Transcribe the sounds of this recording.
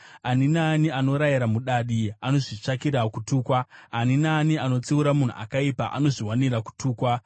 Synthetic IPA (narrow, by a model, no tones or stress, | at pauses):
aninaːniano̞ɾajiɾamuɗaɗiano̞ʐit͡ʂakiɾakutuːkwaːninaːniano̞t͡siuɾamun̤ṵʔa̰kaipa̰ʔa̰no̞ʐiwaniraku̥tʰuːkwa